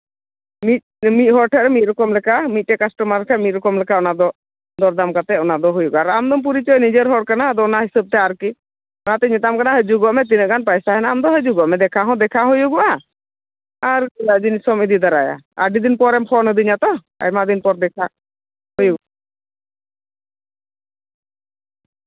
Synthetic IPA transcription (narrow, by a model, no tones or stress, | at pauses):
mit̪̚mit̪̚ˀɦɔɽʈʰɛɾɛmit̪̚ɾɔkɔmlɛkamit̪̚ʈɛkasʈɔmaɾlɛkʰamit̪̚ɾɔkɔmlɛkʰaɔnad̪ɔ | d̪ɔɾd̪amkat̪ɛɔnad̪ɔɦujuɡaɾamd̪ɔmp̬uɾit͡ʃɔjnid͡ʒəɾɦɔɽkanad̪ɔnaɦisəb̚t̪ɛaɾki | at̪ɛɲɛt̪amkanaɦəd͡ʒuɡɔʔmɛt̪̬inəʔɡanpajsaɦɛnaamd̪ɔɦəd͡ʒuɡɔʔmɛd̪ɛkʰaɦɔ̃d̪ɛkʰaɦujuɡɔʔa | aɾilad͡ʒinisɔmid̪id̪aɾaja̰ə̰ɖid̪inpɔɾɛmpʰɔnəd̪iɲat̪ɔ | a̰jmad̪inpɔɾd̪ɛkʰa | hujuɡa